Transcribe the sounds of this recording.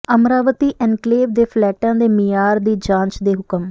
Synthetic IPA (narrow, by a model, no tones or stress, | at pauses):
əmɾaːʋət̪iːʔɛnkleːʋd̪eːpʰlɛːʈãːd̪eːmijaːɾd̪iːd͡ʒãːnt͡ʃd̪eːɦʊkəm